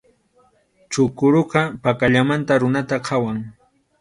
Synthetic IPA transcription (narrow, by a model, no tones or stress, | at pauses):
t͡ʃʊkʊɾoqɑpakaʎamant̪aɾʊnat̪aqʰawaŋ